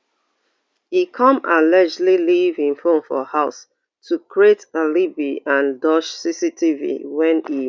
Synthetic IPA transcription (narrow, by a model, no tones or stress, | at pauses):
ikʰɔ̃malɛd͡ʒlilivĩnfõnfɔhaʊs | tʰukʰɹietalibiãndɔʃsisitʰivḭwɛ̃ni